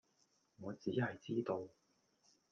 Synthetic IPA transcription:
ŋɔː˨˧t͡siː˨˥ɦɐ˨jt͡siː˥t̪o˧w

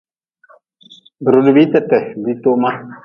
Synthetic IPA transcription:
bə˨ɾo˨du˨bi˦tɛ˦˨tɛ˨bi˦to˦ma˦

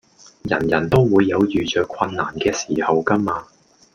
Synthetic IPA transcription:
jɐ̰˨˩njɐ˨˩nt̪o˥wwuː˨˧jːɐ˨˧wjyː˨˩t͡ʃœː˨˧kʷʰɐ˧nːaː˨˩nkɛː˧siː˨˩hɐ˨wkɐː˥maː˧

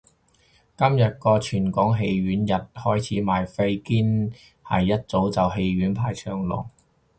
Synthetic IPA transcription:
kɐ˥mjɐ˨t̚kɔː˧t͡ʃʰyː˨˩nkɔː˨˥ŋɦe˧jɥyː˨˥njɐ˨t̚hɔː˥jt͡sʰiː˨˥maː˨jfe˥jkiː˥n | hɐ̰˨˩jːɐ˥t̚t͡so˨˥wt͡sɐ˨wɦe˧jɥyː˨˥npʰaː˨˩jt͡ʃʰœː˧ŋlɔ̰ː˨˩ŋ

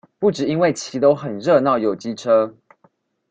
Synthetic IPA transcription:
pu˥˨ʈ͡ʂɻ̩˨˩i˦nwe˥˨ɪt͡ɕʰi˨˥t̪o˥˦ʊxə˨˩nɻɤ˥˧nɑ˥˨˩ʊjo˨˩ʊt͡ɕi˦ʈ͡ʂʰɤ˦˥

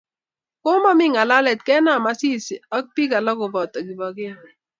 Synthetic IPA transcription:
ko˦mɔ˦mɪ˦ŋa˨la˦lɛ˨t̚kɛ˦na˨ma˦si˦si˨a˦k̚pi˦ka˨lɔ˦kʊ˨bɔ˨tɔ˨ki˨bɔ˨ke˦˨

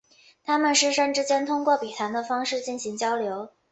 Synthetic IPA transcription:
t̪ʰa˥mə˨nʂɻ̩˥ʂə˥ŋʈ͡ʂɻ̩˥t͡ɕjɛ˥nt̪ʰʊ˥ŋkwɔ˥˩pi˨˩t̪ʰa˧˥nd̪ə˧fɑ˥ŋʂɻ̩˥˧t͡ɕi˥˩nɕi˧˥ŋt͡ɕjɑ˥ʊljo˧˥ʊ

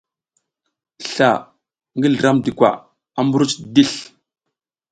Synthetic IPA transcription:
ɬa̰˨ | ŋɡi˦lə˨ɾa˦mdi˨kʷa̰˨ | a˦mbu˦ɾu˦t͡ʃdi˦ɬ

